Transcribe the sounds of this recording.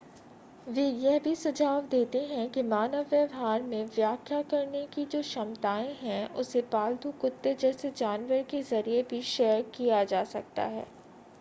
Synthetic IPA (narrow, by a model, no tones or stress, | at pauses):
ʋeːjɛɦbʱisʊd͡ʒʱaːʋd̪eːt̪eɦɛ̃kimaːnəʋjəʋɦaːɾmẽʋjaːkʰjakɐɾnekid͡ʒoːʃɐmt̪aːẽɦɛ̃ʔʊsepaːld̪ukʊt̪ːed͡ʒɛːsed͡ʒaːnʋəɾkezɐɾiebʱiʃɛːjəɾkijad͡ʒaːsɐk̚t̪a̰ɦɛ̰ː